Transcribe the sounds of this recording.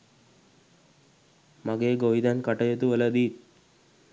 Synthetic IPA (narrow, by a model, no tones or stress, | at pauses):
maɡeɡoʋid̪ankaʈəjet̪uʋələd̪iːt̪̚